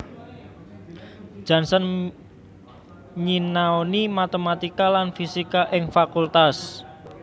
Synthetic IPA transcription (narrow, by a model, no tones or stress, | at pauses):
d̥ʒ̥a̤nsən | ɲinaonimat̪emat̪ikalanfisikaʔɪŋfakult̪as